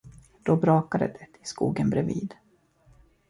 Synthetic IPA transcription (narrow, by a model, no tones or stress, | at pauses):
d̪̥obɾɑːkad̪ə̰d̪ɛt̪ʰɪskṵːɡənbɾɛviːd̪